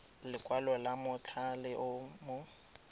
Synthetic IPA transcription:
lɪkʼwalɔlamʊt͡ɬʰalɪʔʊmʊ

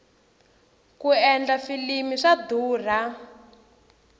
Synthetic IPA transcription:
kuɛnd͡ɮafilimiʂad̪uːr̤a

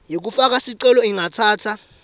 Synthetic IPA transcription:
jik̬ufak̬asiǀɛlɔiŋatʰaːtʰa

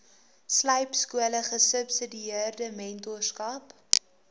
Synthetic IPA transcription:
slɐjpskuələχəsəpsədiiərdəmɛntɔrskɐp

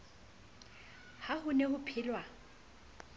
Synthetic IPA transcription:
hahʊnehʊpʰɪːlwa

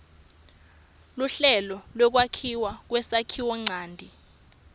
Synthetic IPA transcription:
luɬɛlɔlwɔk̬wakʰiwak̬wɛsakʰiwɔŋ͡ǀaːndʱi

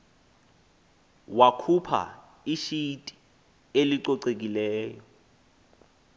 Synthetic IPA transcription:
wakʰupʰa̰ | iʃitʼi̥ | eliǀɔǀek̬ilɛːjɔ

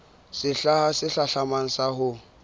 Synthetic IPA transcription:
sɪɬahasɪɬaɬaman̩sahʊ

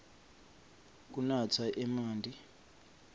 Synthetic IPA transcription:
k̬ʼunat͡sʰaʔɛmaːndʱi

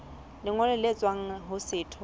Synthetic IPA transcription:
lɪŋɔlɛlet͡sʼwaŋ̩ɦʊsɪːtʰɔ

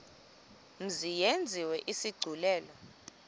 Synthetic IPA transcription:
m̩zijend͡zʱiwɛʔisiɡ͡ǀʱulɛːlɔ

